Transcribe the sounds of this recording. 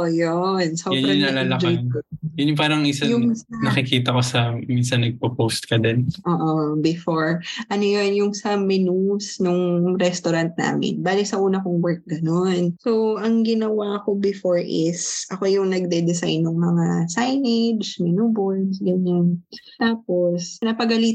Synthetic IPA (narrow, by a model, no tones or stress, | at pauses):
jonsojʊnɾɐnɐlalɐk̪akjʊnjʊŋpaːɾɐŋʔɪsɐjʊɐnɐkɪkiːt̪ɐko̞sɐminsɐnːɐɡ̚pɐpost̪̚kɐd̪ɛnʔoːʔobɪfoɹʔɐnojo̞njʊŋsɐmɛnusnʊŋɾɛst̪oɾant̪̚na̰ːmɪ̰nbaːlisɐʔuːnɐkoŋwɛɹk̚ɡɐno̞nsoɐŋɡɪnɐwaɐko̞bɪfoɹʔɪsʔɐko̞jʊŋnɐɡ̚d̪ɛd̪ɛsajnːʊŋmɐŋasajnɛd͡ʒd͡ʒmɪnuboɹsɡɐɲant̪aːp̚o̞snɐpɐɡɐliːt̪